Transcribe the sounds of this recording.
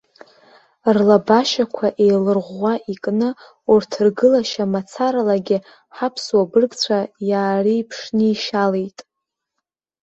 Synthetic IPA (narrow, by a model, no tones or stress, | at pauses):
rlabaʃakʷʰaʔejlɨrʁʷːaʔikʼnɨ | urtʰɨrɡɨlaʃamat͡sʰaɾalaɡʲɪ | ħapʰswabɨrɡt͡ɕʷʰajaːriːpʰʂnɨiʃalejtʼ